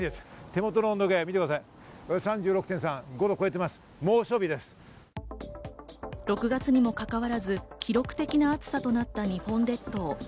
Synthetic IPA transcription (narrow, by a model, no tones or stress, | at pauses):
est̪e̞mo̞t̪onõːnd̪oɡemʲit̪ekɯd̪as̬ai | sãɲ̟d͡ʑɨːɾokt̪ẽsãŋɡo̞d̪oko̞et̪̬ːe̞masɨ̥ | moːɕo̞ːbʲid̪e̞sɨ̥ | ɾo̞kɯ̟ɡat͡sɨɲ̟imo̞kakaβaɾazɨkʲiɾo̞kɯ̟̥t̪e̞kʲinaːt͡sɨ̥sat̪o̞nat̪ːaɲ̟iɸõ̞nd̪e̞t̪ːo̞ː